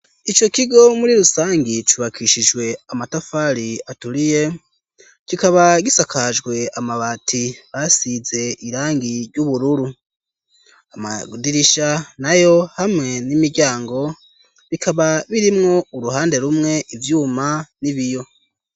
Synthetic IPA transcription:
it͡ʃo̞kiɡo̞muɾiɾusaːŋɡit͡ʃuβakʰiʃiʒɡwe̞amatafaɾiatuɾije̞ | kikaβaɡisakʰaʒɡwe̞amaβatʰiβasize̞iɾaːŋɡiɾɟuβuɾuɾu | ama̰diɾiʃanajo̞hamŋe̞nimiɾɟaːŋɡo̞ | βikʰaβaβiɾimŋo̞uɾuɦaːnde̞ɾumŋe̞ʔivjuːmaniβijo̞

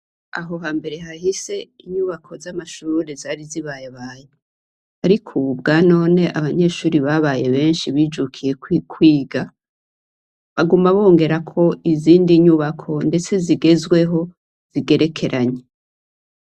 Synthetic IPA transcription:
a̰ɦo̞ɦaːmbe̞ɾe̞ɦahise̞iɲuβakʰo̞zamaʃuːɾezaɾiziβaːjeβaːjo | aɾikʰuβubɡaːno̞ːne̞ʔaβaɲe̞ʃuːɾiβaβaje̞βe̞ːnʃiβiːd͡ʒukʰije̞kʰwiːɡa | βaɡumaβo̞ːŋɡe̞ɾakʰo̞iziːndiɲuβakʰo̞nde̞t͡se̞ziɡe̞zwe̞ɦo̞ | z̥iɡe̞ɾe̞kʰe̞ɾʔaɲe

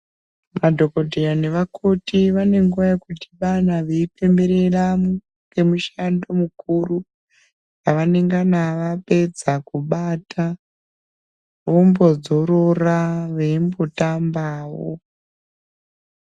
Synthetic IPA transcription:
madʱo̞ko̞dʱeɾane̞ʋakʰotiʋane̞ŋɡuʋajakuti̥ʋanaʋeipe̞mbe̞ɾe̞ramu | ɡ̥e̞muʃando̞mukuru | aʋane̞ŋɡanaʋape̞d͡zakuɓatʰa | ʋo̞mbo̞d͡zo̞ɾo̞raʋeimbo̞tambaːwo̰

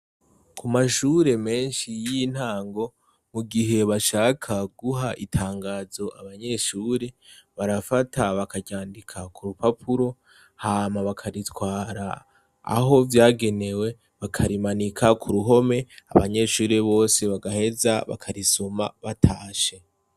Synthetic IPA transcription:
kʰumaʃuɾe̞me̞ːnʃijin̥haːŋɡo̞ | muɡiɦe̞βaʃaːkʰaɡuɦaʔitʰaːŋɡaːzo̞ʔa̰βaɲe̞ʃuːɾe̞βaɾafatʰaβakaɟaːndikʰakuɾupapʰuɾo̞ | haːmaβakʰaɾitwaːɾa̰ː | ɦo̞vjaːɡe̞ne̞we̞ | βakʰaɾimanikʰakʰuɾuɦo̞me̞a̰βa̰ɲe̞ʃuːɾe̞βo̞ːse̞βaɡahe̞zaβa̰kʰaɾiso̞ma̰βatʰaːʃe̞

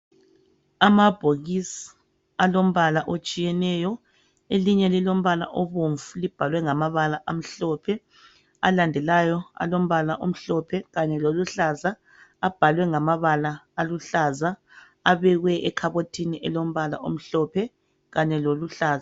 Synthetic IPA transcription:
amab̥ʱoɣisi̥ | alom̩βalaʔot͡ʃʼijɛnɛjɔ | eliɲɛlilom̩βala̰ʔoβoɱvulib̥ʱalwɛŋamaβalaʔam̩ɬɔpʰɛ | a̰landʱɛlajɔa̰lom̩βalaʔom̩ɬɔpʰɛɣaɲɛloluɬaːza | ab̥ʱalwɛŋamaβalaːluɬaza | aβɛɣwɛʔɛkʰaβotʰiniʔɛlom̩βala̰ʔo̰m̩ɬɔpʰɛ | ɣaɲɛloluɬaːza

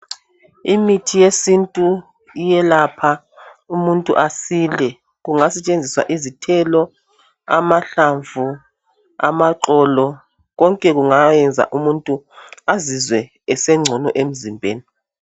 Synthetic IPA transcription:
imitʰijesintʼu | ijɛlapʰa | umuntʼṵʔasilɛ | ɣuŋasɛt͡ʃʼend͡zʱiswa̰ʔizitʰɛlɔ | a̰maɬaɱvu | a̰maǁɔlɔ | ɣɔŋkʼɛɣuŋajɛnd͡zʱa̰ʔumuntʼuazizwɛː | sɛŋ͡ǀʱɔnɔʔem̩zimbʱḛːni

